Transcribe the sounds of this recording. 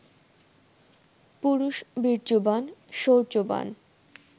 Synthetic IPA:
puɾuʃbiɾd͡ʑobanʃoɾt͡ɕoba̰n

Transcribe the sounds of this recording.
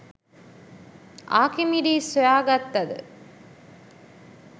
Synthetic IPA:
ʔaːkimiɖiːsojaːɡɐt̪ːɐd̪ə̰

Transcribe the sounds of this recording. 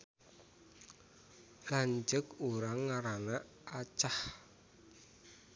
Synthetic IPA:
laɲt͡ʃəkuɾaŋːaɾana | at͡ʃah

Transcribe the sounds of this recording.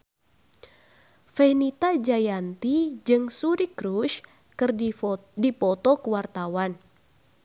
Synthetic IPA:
fɛnit̪ad͡ʒajant̪id͡ʒɨŋsuɾikɾuʃ | kɨrdipɔt̪ɔkəwart̪awan

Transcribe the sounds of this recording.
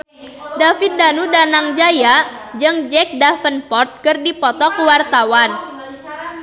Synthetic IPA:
dafit̪̚danudanaŋd͡ʒajaʔd͡ʒɨŋd͡ʒɛk̚dafənpɔrt̪̚kɨrdipɔt̪ɔkəwart̪awan

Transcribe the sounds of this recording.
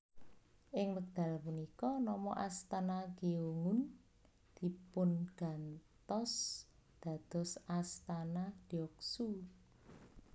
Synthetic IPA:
ʔɪŋwək̚d̪̥ä̤lpunikɔnɔmɔʔast̪anaɡ̥eoŋʊn | d̪̥i̤pʊnɡ̥a̤nt̪ɔs | d̪̥ä̤d̪̥ɔ̤sast̪anad̪̥iɔksu

